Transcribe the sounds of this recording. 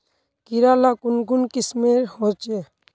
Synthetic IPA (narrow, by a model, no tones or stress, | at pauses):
kiɾalakʊnɡunkismeɾhot͡ʃe